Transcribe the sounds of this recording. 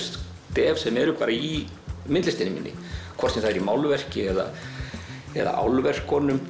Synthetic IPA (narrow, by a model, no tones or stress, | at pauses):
st̪ | t̪ɛːvsɛmɛɾʏkʰvaːɾai | mɪnt̪lɪst̪ɪnɪmḭnːɪ̰kʰɔrt̪sɛmθaðɛɾimawlvɛr̥cɪɛða̰ | ɛ̰ða̰ʔa̰wlvɛr̥kʰːɔːnʏm